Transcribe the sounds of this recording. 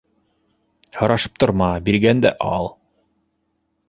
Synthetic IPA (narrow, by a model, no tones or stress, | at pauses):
hŏɾɑʃɤ̥p̚t̪ŏɾmɑbiɾɡænd̪æ̰ʔɑlˠ